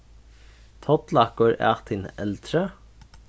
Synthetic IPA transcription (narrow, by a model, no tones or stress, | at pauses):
t̪ʰɔt̪lɑkʊɾæ̰ːʁt̪ʰɪnɛ̰lt̪ɾə